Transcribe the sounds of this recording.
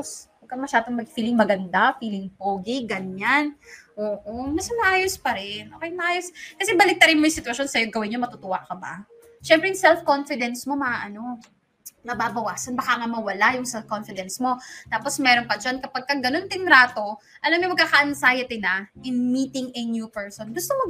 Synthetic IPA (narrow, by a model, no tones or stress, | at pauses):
asbɐɡkːɐmɐʃaːd̪oŋmɐɡ̚fiːlɪŋmɐɡɐnd̪afiːlɪŋpoːɡɪɡɐɲanʔoːʔomɐsɐnɐʔaːjospɐɾɪnʔoːkɛjnmɐʔaːjoskɐsɛbɐlɪk̚t̪ɐɾɪnmojʊsɪt̪wɐʃonsɐjoɡɐwɪnɲomɐt̪ʊt̪ʊwa̰ʔkɐba̰ | ʃɛmpɾɛjʊŋsɛlfko̞nfɪd̪ɛnsmo̞mɐaʔɐno̞ | nɐbaːbɐwaːsɐnbɐkaŋɐmɐwɐlajʊŋsɛlfkonfɪd̪ɛnsmo̞t̪aːpo̞smɛːɾonpɐd͡ʒankɐpaɡ̚kɐŋɡɐno̞nt̪ɪŋɾaːt̪o̞ | ʔɐlamɲomɐɡ̚kːakɐʔɐnsaːjɪt̪ɪnɐʔɪnmiːt̪ɪŋɛnjupɛɹsonɡʊst̪omɐ